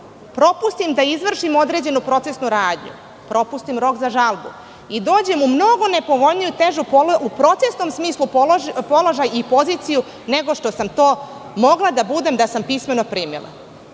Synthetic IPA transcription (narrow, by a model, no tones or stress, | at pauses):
pɾo̞pust̪imd̪aizʋr̩ʃimo̞d̪ɾed͡ʑe̞nupɾo̞t̪se̞snuɾaːd̪ɲṵ | pɾo̞pust̪imɾo̞kzaʒalˠbṵ | id̪o̞ːd͡ʑe̞mumno̞ɡo̞ne̞po̞ʋo̞jnijut̪eʒupupɾo̞t̪sesno̞msmiːslˠuppo̞loʒajipo̞zit̪siju | ne̞ɡo̞ʃt̪o̞samt̪oː | mo̞ɡlˠad̪abud̪e̞md̪asampisme̞no̞pɾiːmḭlˠa̰